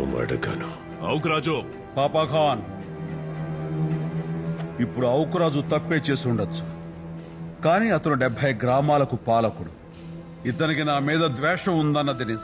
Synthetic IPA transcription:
ṵmɐ̰ɽɐɡɐ̰nu | ɐ̰wkɾaːd͡ʒu | paːpɐːɡʱaːn | ipːuɽuɐwkɾaːd͡ʒut̪ɐpːeːt͡ʃeːsuɳɖɐt͡ʃːu̥ | kaːniːɐt̪ɐnuɖɛbʱːɐjɡɾaːmaːlɐkupaːlɐkuɽu | it̪ɐnikinaːmiːd̪ɐd̪ʋɛːʂɐmund̪ɐnːɐd̪ini

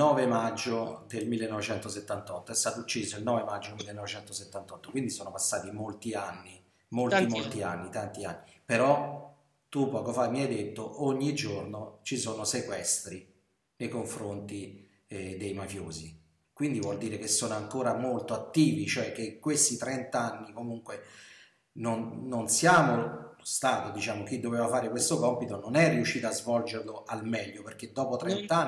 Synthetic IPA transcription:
nɔːvemad͡ʒːod̪elmilːenɔvet͡ʃɛnt̪oset̪ːant̪ɔt̪ːoɛst̪aːt̪out͡ʃːiːzoilnɔːvemad͡ʒːomilːenɔvet͡ʃɛnt̪oset̪ːant̪ɔt̪ːo̥kwind̪isoːnopasːaːt̪imolt̪ianːi | molimmlt̪ianːit̪ant̪ianːipeɾɔ | t̪upːɔːkofamiajd̪et̪ːoʔoɲːid͡ʒornot͡ʃisoːnosekwɛst̪ɾi | nejkoɱfɾont̪i | d̪ejmafjoːzi | kwind̪ivwɔld̪iːɾek̟esːoːnoaŋkoːɾamolt̪oat̪ːiːvit͡ʃoɛk̟ːeŋkwest̪it̪ɾɛnt̪aanːikomuŋkwe | nonːonsjaːmonost̪aːt̪od̪it͡ʃaːmok̟id̪ːoveːvafaːɾekwest̪okɔmpit̪ononɛrːiuʃːiːt̪azvɔld͡ʒerloʔalmɛʎːoperk̟ːed̪ːɔːpot̪ɾɛnt̪an

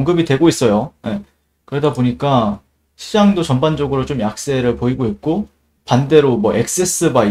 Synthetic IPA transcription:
ŋɡɯbidwe̞ɡois͈ʌjoje̞ | kɯɾe̞daboɲik͈a | ɕʰid͡ʑaŋdot͡ɕʌnband͡ʑʌɡɯɾot͡ɕomjak̚s͈e̞ɾɯɭpoiɡoit̚k͈o | pande̞ɾomwʌʔe̞k̚s͈es͈ʰɯba

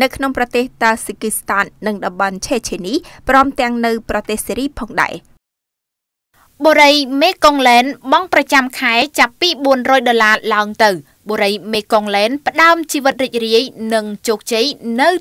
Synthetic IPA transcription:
nɨwkʰnoŋprɑt̪eːht̪aːsikist̪aːnːɨŋɗɑmɓɑnt͡ɕʰeːt͡ɕʰeːniːprɔəmt̪ɛ̆əŋnɨwprɑt̪eːhsiːɾiːpʰɑːŋɗa̰ɛ | ɓoːɾəjmeːkoŋlɛːnɓɑŋprɑt͡ɕamkʰaɛt͡ɕapːiːɓuənrɔːjɗolaːlaəŋt̪ɨw | ɓoːɾəjmeːkoŋlɛːnpə̆ɗaəmt͡ɕiːʋɨt̪̚riːc̚riəjnɨŋt͡ɕoːk̚t͡ɕəjnɨw

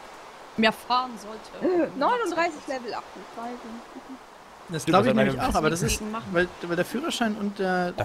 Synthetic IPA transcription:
meːɐfaːʁənzɔltʰənɔʏnʊndʁaɪsɪçlɛvl̩ʔa̰χtʊnt͡sv̥aɪzon | d̥asɡ̥aʊbəɪçneːmɪçʔaʊxʔaːbɐdas̬ɪsmvaɪlvaɪldeːɐfyːʁɐʃaɪnʊnt̚d̥eːɐ

